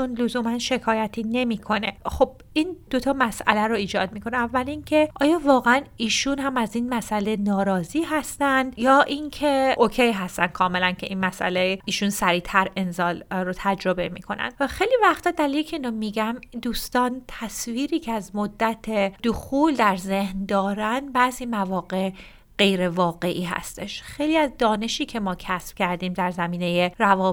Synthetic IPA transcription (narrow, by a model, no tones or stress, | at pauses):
t͡ʃonlozuːmænʃe̞kʰɒːjæt̪ʰiːne̞miːkʰo̞ne̞̰χo̞b̥̚ | ind̪̥o̞t̪ʰɒːmæsʔæ̰læɾoiːd͡ʒɒ̰ːd̪̚miːkʰo̞neævːælincʰe̞ʔɒːjɒːvɒːɣeæniːʃunhæmæzinmæsʔæle̞nɒːɾɒːziːɦæst̪ænd̪jɒːʔincʰe̞ʔocʰejɦæst̪ænd̪kʰɒːme̞læncʰe̞ʔinmæsʔæ̰lejiːʃunsæɾiːt̪ʰæɾe̞nzɒːlɾot̪ʰæd͡ʒɾo̞bemḭkʰo̞næ̰nd̪væxejliːvæxt̪ʰɒːd̪æɾjiːlicʰeiːnɒmiɟæmd̪uːst̪ɒːnt̪ʰæsviːɾiːcʰeæzmod̪ːæt̪ʰed̪oxuːld̪æɾze̞hnd̪ɒːɾænd̪bæziːmævɒːɡe̞ʔ | ɢ̥e̞jɾe̞vɒːɣe̞ʔiːɦæ̰st̪e̞ʃxe̞jliːæzd̪ɒːne̞ʃiːcʰe̞mɒːcʰæsb̥̚cʲʰæɾd̪iːmd̪æɾzæmiːne̞je̞ɾævɒː